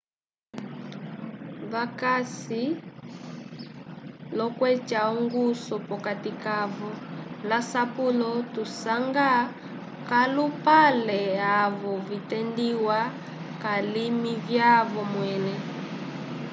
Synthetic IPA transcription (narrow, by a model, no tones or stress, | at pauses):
βakasi | lɔkwɛt͡ʃaɔŋɡusɔpɔkatikavɔlasapulɔtusaŋɡa | kalupalɛavɔvitɛndiwa | kalimivjavɔmwɛnɛ